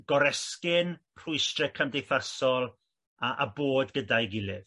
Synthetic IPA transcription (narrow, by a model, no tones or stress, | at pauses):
ɡ̥ɔɾɛskɪnpʰrʊɨstrɛkʰamdejθasɔlˠ | aʔa̰boːdɡədajɡɪlˠɪv